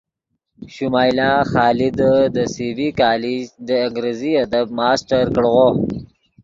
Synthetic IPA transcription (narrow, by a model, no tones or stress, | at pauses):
ʃumɑːjlɑːxɑːlɪd̪əd̪əsivikɑːlid͡ʒd̪əɪŋɡɾeziad̪ab̚mɑːsʈaɾkəɽɣo